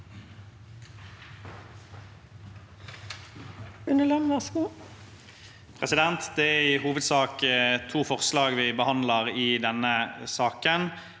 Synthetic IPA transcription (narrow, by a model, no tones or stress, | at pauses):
ʉnəlɑnʋæʁsɡuː | pʰʁɛsɪd̪ɛnt̪d̪ɛæɪhuːʋəd̪sɑːkt̪ʰuːfɔʁslɑːɡʋɪbəhɑnd̪ləʁɪd̪ɛnːəsɑːkən